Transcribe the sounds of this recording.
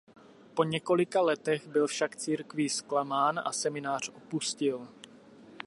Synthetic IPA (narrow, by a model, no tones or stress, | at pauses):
po̞ɲɛko̞lɪkalɛt̪ɛɣbɪlfʃakt͡siːɾkvɪsklamaːnʔa̰sɛmɪnaːr̝̥ʔopuscɪl